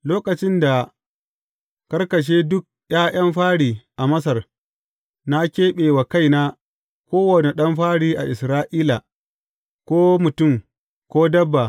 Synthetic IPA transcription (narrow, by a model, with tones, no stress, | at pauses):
loː˦kɐ˨t͡ʃɪ˦nda˨ | kɐ˦rkɐ˨ʃ̬eː˦dʊ˦k̚j̰aː˦j̰ɐ˦mɸaː˦ɽiː˨ʔa˨mɐ˦s̬ɐ˨r | na˦kʲeː˦ɓeː˨wa˨ka˦jnaː˦ | kʷoː˦wɐ˨ne˨ɗɐ˦mɸaː˦ɽiː˦ʔa˨ʔɪ˨sɾaː˦ʔiː˦la˨ | kʷoː˦mʊ˨tʊ˦˨m | kʷoː˦dɐ˦bːa˨